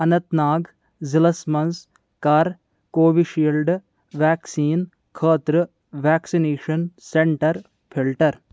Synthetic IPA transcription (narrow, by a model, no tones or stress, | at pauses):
ɐnɐt̪naːɡ | zilɐsmɐns | kaɾ | koːʋiʃiːlɖ | ʋaːksiːn | kʰəːt̪ɾɐ | ʋaːksineːʃɐnseɳʈɐɾ | pʰilʈɐɾ